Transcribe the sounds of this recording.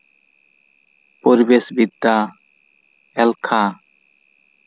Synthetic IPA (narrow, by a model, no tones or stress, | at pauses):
poɾibesbid̪ːa | ɛlkʰa